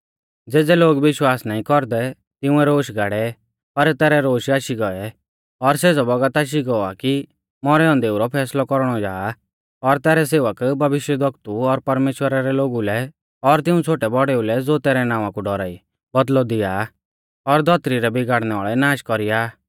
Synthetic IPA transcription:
d͡zeːd͡zɛloːɡʋɪʃwaːsnaːĩkɔɾd̪ɛ | t̪ɪ̃ʊ̃ɛɾoːʃɡʱaːɽɛ | pɐɾt̪ɛːɾɛɾoːʃaːʃiɡɔɛ | ɔɾseːd͡zɔbɔɡət̪aːʃ̬iɡɔaki | mɔɾɛɔ̃nd̪eːuɾɔpʰɛːslɔkɔɾɽ̃ɔd͡ʒaː | ɔɾt̪ɛːɾɛseːʋəkbʱɐʋɪʃjəd̪ək̚t̪uɔɾpɐɾmeːʃwəɾaɾɛloːɡulɛ | ɔɾt̪ɪũt͡sʰoːʈɛbɔɽɛulɛd͡zoːt̪ɛːɾɛnãːʋ̃ãkuɖɔɾa̰ːi | bɐd̪lɔd̪ɪja | ɔɾd̪ʱɔt̪ɾiɾɛbɪɡaːɽnɛaːɭɛnaːʃkɔɾijaː

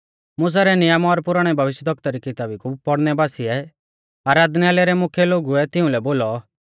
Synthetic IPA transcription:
mʊs̬aɾɛnɪjamɔːɾpʊɾaɽ̃ɛbʱɐʋɪʃjəd̪ʱɔk̚t̪aɾikɪt̪aːbikupɐɽnɛbaːsiɛ | aːɾaːd̪niaːlɛɾɛmʊkʰjɛloːɡuɛt̪ɪũlɛboːlɔ

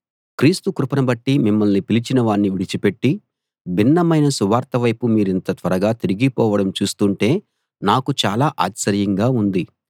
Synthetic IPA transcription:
kɾiːst̪ukɾupɐnɐbɐʈːimimːɐlnipilit͡ʃinɐʋaːnːiʋiɽit͡ʃipe̞ʈːi | binːɐmɐjnɐsuʋaːɾt̪ɐʋɐjpumiːɾint̪ɐt̪ʋɐɾɐɡaːt̪iɾiɡipɔːʋɐɽɐmt͡ʃuːst̪uɳʈe̞ː | naːkut͡ʃaːlaːʔaːksɐɾjɐŋɡaːund̪i

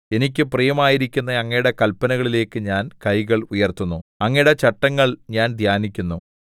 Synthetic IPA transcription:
e̞nikʲːɨpriejɐmaːjiɾikʲːunːɐɐŋːɐjɽekɐlpːɐnɐɣɐɭile̞ːkːɨɲaːnkɐjɣɐɭujɐrt̪unːuɐŋːejɽet͡ɕɐʈːɐŋːɐɭɲaːnd̪ʱjaːnikʲːunːu

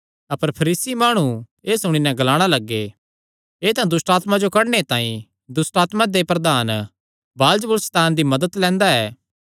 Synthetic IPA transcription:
ɐpəɾpʰɐɾiːsimaːɽ̃ũ | eːsʊɽ̃inɛ̃ɡɐlaːɽ̃alɐɡːe | eːt̪ãd̪ʊsʈaːt̪mad͡ʒokɐɽnet̪ãːĩ | d̪ʊsʈaːt̪mãd̪epɾɐd̪aːn | baːld͡ʒəbəlst̪aːnd̪imɐd̪ət̪lɛ̃ːnd̪aɛː

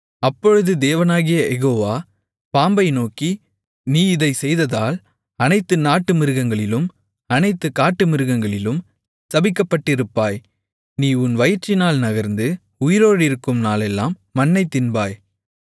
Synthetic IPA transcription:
ɐpːɔɻɯðɯd̪eːʋɐnaːɣɪjɐɛɣoːʋaː | paːmbɐɪnoːki | niːɪðɐɪsɛjðɐðaːl | ɐnɐɪt̪ːɯnaːʈːɯmɪɾɯɣɐŋɡɐɭɪlɯm | ɐnɐɪt̪ːɯkaːʈːɯmɪɾɯɣɐŋɡɐɭɪlɯm | sɐbɪkːɐpːɐʈːɪɾɯpːaːj | niːʊnʋɐjɪɾt͡ʃːɪnaːlnɐɣɐɾnd̪ɯ | ʊjɪɾoːɽɪɾɯkːɯmnaːlɛlːaːmːɐnːɐɪt̪ɪnbaːj

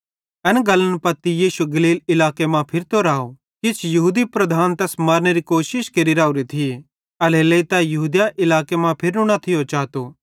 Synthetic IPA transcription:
ɛnɡɐlːənpɐt̪ːijiːʃuɡɐliːlɪlaːkemãpʰɪɾt̪oɾaːo | kit͡ʃʰjɐɦuːd̪ipɾɐd̪ʱaːnt̪ɛsmɐːɾneɾikoːʃɪʃkeɾiɾaːuɾit̪ʰi | ɐleleit̪ajɐɦuːd̪jaʔɪlaːkemãpʰɪɾnũnɐt̪ʰɪjot͡ʃaːt̪o

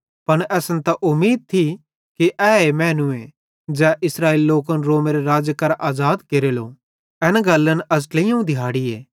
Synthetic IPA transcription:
pɐɽɛːsənt̪aʔʊmːiːd̪̚t̪ʰi | kiʔɛːemɛːnuẽ | d͡ʒɛːʔɪsɾaːiːlːoːkənɾoːmeɾeɾaːd͡ʒjəkɐɾʔaːzaːd̪keɾelo̰ː | ɛnaɡɐlːənɐsʈlejãũd̪ʱɪɦaːɽieː

